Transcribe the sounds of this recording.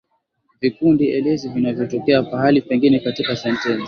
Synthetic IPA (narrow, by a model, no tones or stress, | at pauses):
vikundiʔɛlɛzivinavjɔtɔkɛakahalipɛŋɡinɛkatikasɛntɛnzi